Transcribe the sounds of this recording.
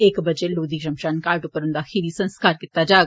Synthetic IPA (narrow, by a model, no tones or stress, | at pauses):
ekbəd͡ʒeloːd̪iːkʃɐmʃaːnkaːɾʈʊpːəɾɦʊ̃nd̪axʰiʋisə̃nskaːɾkɪt̪ad͡ʒaː